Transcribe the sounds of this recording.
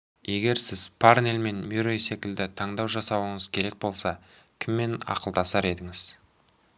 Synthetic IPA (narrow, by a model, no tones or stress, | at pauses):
e̞ɡʲe̞ɾsɪzpʰarnelme̞nmuɾojse̞kʲɪld̪ɪt̪ʰɑɴd̪ɑwʒɑsɑwəɴəzkʲʰe̞ɾe̞k̚bo̞lˠsɑ | kʲʰɪmːe̞nɑ̰qəlˠd̪ɑsɑɾe̞d̪ɪŋɪz̥